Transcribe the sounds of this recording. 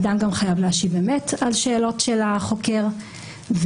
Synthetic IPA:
damɡamχajavleaʃivbemetalʃe̞ːlo̞tʃe̞laχo̞ke̞ʁ | v

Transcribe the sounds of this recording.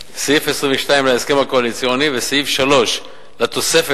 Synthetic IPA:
sijifesʁĩɱveʃt̪aimlaeske̞mako̞alit͡sijo̞nivesijifʃalo̞ʃ | lat̪o̞se̞fe

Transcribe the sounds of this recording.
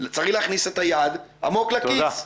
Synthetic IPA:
t͡saʁiχleːχniset̪ajad̪a̰mo̞klakias

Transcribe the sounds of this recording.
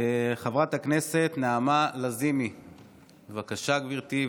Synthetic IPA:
χavʁat̪aknese̞t̪naːmalazimi | vakaʃaɡviʁt̪i

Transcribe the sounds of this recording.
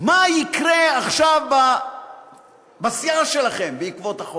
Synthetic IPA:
majikʁeaχʃavba | basjaʃelaχe̞mbeikvo̞t̪aχo

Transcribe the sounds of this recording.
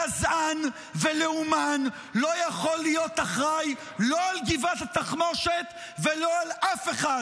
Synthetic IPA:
azʔan | veleuman | lo̞jaχo̞lːijo̞t̪aχʁaj | lo̞alɡivat̪at̪aχno̞ʃet̪ | velo̞alʔafe̞χad

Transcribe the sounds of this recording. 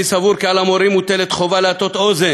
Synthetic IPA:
isavuɾkealamoɾimut̪elet̪χo̞valeat̪o̞t̪oze

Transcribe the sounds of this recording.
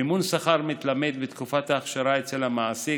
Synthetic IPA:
imunsaχaɾmit̪lamed̪bet̪kufat̪aːχʃaɾaet͡selhamaasi

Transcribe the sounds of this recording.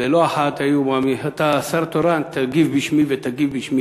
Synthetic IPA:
eloaħat̪ajumamiɦat̪asaɾt̪oɾant̪aɡivbiʃmivet̪aɡivbiʃmi

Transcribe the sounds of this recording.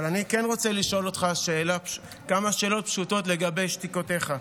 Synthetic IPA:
lanikenʁo̞t͡seliʃo̞lot̪χaʃe̞ːlap | kamaʃe̞ːlo̞t̚pʃuto̞tle̞ɡabe̞jʃtikote̞χa

